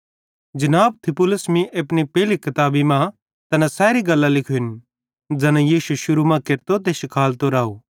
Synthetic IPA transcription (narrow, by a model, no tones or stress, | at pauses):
d͡ʒɐnaːb̚t̪ʰɪpʊləsmiʔɐpñipɛɦlikɐt̪aːbimã | t̪ɐnãsɛːɾiɡɐlːãlɪkʰoɪn | d͡ʒɐnãjiːsuʃʊɾumãkeɾt̪ot̪̬eʃɪkʰaːlt̪oɾaːoː